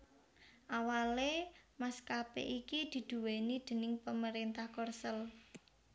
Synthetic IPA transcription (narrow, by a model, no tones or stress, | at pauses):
ʔawalemaskapḛʔikid̪̥i̤d̪̥ṳwenid̪̥ə̤nɪŋpəməɾint̪ahkɔrsəl